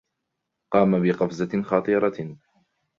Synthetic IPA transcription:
qɑːmabɪqɑfzaxɑt̪ˤɨːɾˤɑ

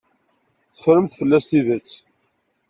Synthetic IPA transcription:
θə̥fɾəmθfəlːæsθiðət͡sː

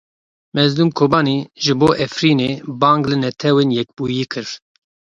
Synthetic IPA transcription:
mɛzluːmkʰoːbɑːniːʒɨboːʔɛfɾiːneːbɑːŋɡlɨnɛt̪ʰɛweːnjɛk̚buːjiːkʰɨɾ

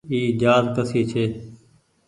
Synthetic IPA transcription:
iːd͡ʒaːɾk̪əsiːt͡ʃʰeː

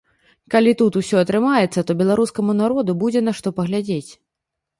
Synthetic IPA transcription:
kalʲit̪ut̪usʲɔɐt̪ɾɨmajɛt̪sːɐt̪ɔbʲɛlˠaɾuskɐmunaɾɔd̪ubud͡zʲɛnaʂt̪ɔpɐɣlʲad͡zʲet͡sʲ

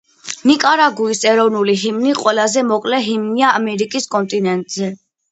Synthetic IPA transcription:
nikʼaɾaɡuisɛɾɔvnuliɦimniqʼwɛlazɛmɔkʼlɛɦimniaːmɛɾikʼiskʼɔnt̪ʼinɛnt̪ʼzɛ

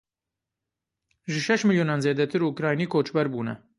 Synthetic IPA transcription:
ʒɨʃɛʃmɨljuːnɑːnzeːd̪ɛt̪ʰɨɾuukɾɑːjniːkʰoːt͡ʃbɛɾbuːnɛ̰

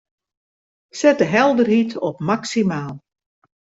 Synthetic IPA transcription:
sɛtəɦɛlˠdərhitʰɔpmaksimaːlˠ

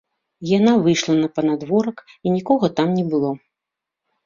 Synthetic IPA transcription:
janavɨjʂlˠɐnɐpɐnad̪vɔɾɐkinʲikɔɣɐt̪amnʲɛbɨlˠɔ

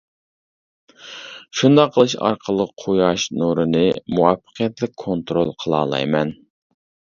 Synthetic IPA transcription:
ʃund̪ɑqʰːəlˠɨʃɑ̰ɾqʰəlˠəqʰojɑʃnoɾɨnɨmuwɑfːə̥qʰijɛt̪lɪk̚ʲkʰont̪ɾolˠqʰəlˠɑ̰ːlˠɑ̰jmɛn

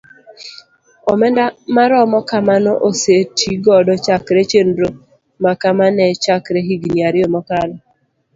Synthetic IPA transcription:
ɔmɛndamaɾɔmɔkamanɔʔosetʰiɡɔdɔt͡ʃakɾet͡ʃenɾo | makamanɛt͡ʃakɾeɦiɡniaɾɪomɔkalɔ

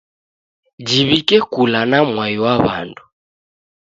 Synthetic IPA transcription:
d͡ʒiβikɛkulanamwaiwaβa̰ndu

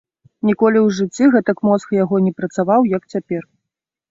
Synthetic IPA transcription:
nʲikɔlʲiwʐɨt͡sʲːiɣɛt̪ɐkmɔskjaɣɔnʲɛpɾɐt̪savawjɐkt͡sʲapʲɛr

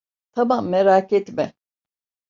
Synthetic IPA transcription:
t̪ʰamamːeɾaːkɛt̪mɛ

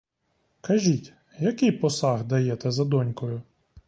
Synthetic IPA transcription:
kɐʒʲitʲ | jɐkɪjpɔsɑɣd̪ɐjɛt̪ɛzɐd̪ɔnʲkɔjʊ

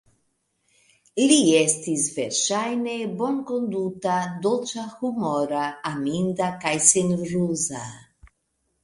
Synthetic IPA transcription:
liɛst̪izveɾʃajnebonkond̪ut̪ad̪olt͡ʃaxumɔɾaːmind̪akajsenɾuza

